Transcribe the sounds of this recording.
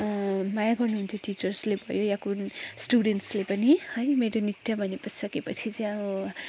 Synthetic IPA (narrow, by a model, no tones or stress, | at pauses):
majaɡʌrnuɦunt̪ʰjoʈit͡sʌrslebʱʌ̰jojakunsʈuɽenʈslepʌnihʌjmeɾonit̪jabʱʌnepʌsʰi̥sʌkepʌt͡sʰit͡sʌjau